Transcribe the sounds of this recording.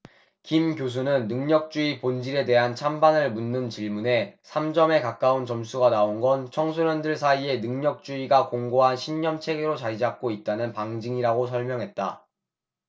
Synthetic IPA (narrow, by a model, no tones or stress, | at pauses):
kimkjos̬ʰunɯnːɯŋɲʌk̚t͡ɕ͈uipond͡ʑiɾe̞de̞ɦant͡ɕʰambanɯɭmunːɯnt͡ɕiɭmune̞sʰamd͡ʑʌme̞kak͈aunt͡ɕʌmsʰuɡanaonɡʌnt͡ɕʰʌŋsʰoɾjʌndɯɭsʰaie̞nɯŋɲʌk̚t͡ɕ͈uiɡakoŋɡoɦanɕʰinɲʌmt͡ɕʰe̞ɡe̞ɾot͡ɕad͡ʑak̚k͈oit̚t͈anɯnpaŋd͡ʑiŋiɾaɡosʰʌɭmjʌŋɦet̚t͈a